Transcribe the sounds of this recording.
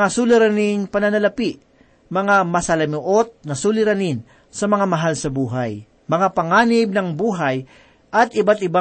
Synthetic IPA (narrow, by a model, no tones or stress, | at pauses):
asulɪɾanɪŋpɐnɐnɐlɐpiʔ | mɐŋamɐsɐlɐmɪʔot̪̚nɐsulɪɾanɪn | sɐmɐŋamɐɦalsɐbuːɦaj | mɐŋapɐŋaːnɪb̚nɐŋbuːɦɐj | ʔɐt̪ɪbat̪ɪba